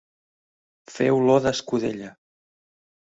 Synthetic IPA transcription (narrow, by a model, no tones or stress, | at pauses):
fɛwloðəskuðḛʎə